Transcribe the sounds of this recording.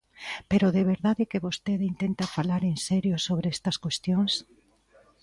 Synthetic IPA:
peɾoðeβ̞eɾðaðekeβost̪eðint̪ent̪afalaɾensɛɾjosoβɾeest̪ɐskwest̪joŋs

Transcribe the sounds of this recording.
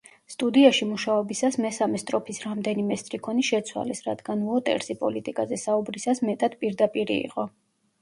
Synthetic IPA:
st̪ʼud̪iaʃimuʃaɔbisasmɛsamɛst̪ʼɾɔpʰisɾamd̪ɛnimɛst̪ʼɾikʰɔniʃɛt̪sʰwa̰lɛsɾad̪̥ɡanuɔt̪ʼɛ̰ɾsipʼɔlit̪ʼikʼazɛsaubɾisasmɛt̪ʼad̪̥pʼiɾd̪apʼiɾḭḭqʼɔ

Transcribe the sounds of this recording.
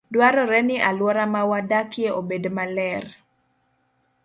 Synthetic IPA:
dwaɾɔɾɛnɪʔalwɔɾamawadakjeʔobedmalɛr

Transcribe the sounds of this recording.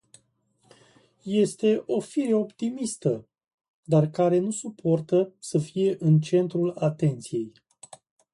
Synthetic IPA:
je̞st̪e̞ʔo̞fiɾeo̞pt̪imist̪ə | d̪arkaɾe̞nusupʰo̞rt̪əsəfije̞ʔɨnt͡ʃe̞nt̪ɾulat̪e̞nt̪sije̞j

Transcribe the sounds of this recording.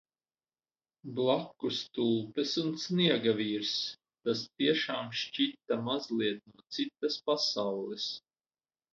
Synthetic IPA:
blˠakːust̪ulˠpɛsunsniɛɡaviːɾs | t̪ast̪iɛʃaːmʃt͡ʃit̪amazliɛt̪̚nuɔt̪sit̪ːaspasawlˠɛs

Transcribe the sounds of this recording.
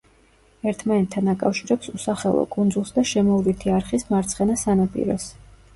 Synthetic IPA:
ɛɾt̪ʰmanɛt̪ʰːanakʼafʃiɾɛpsusaχɛlˠɔ̰kʼund̪zulˠsd̪aʃɛmɔvlit̪ʰiaɾχismaɾt̪sʰχɛnasanapʼḭɾɔs

